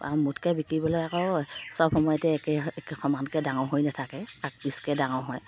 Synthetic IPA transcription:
a̰mutkɛbikɹibɔlojakɔwsɔp̚xɔmɔjɔtɛkɛkxʰɔmankɛdaŋɔwɦojnatʰakɛak̚piskɛdaŋɔwɦɔj

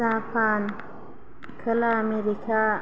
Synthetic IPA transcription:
apʰaːn | kʰəlaːmeɾikʰa

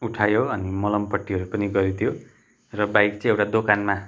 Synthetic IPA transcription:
uʈʰajoʌnimʌlʌmpʌʈːiɦʌɾupʌniɡʌɾit̪ʰjo | rʌbajkt͡sʌ̃ĩewʈad̪okanma

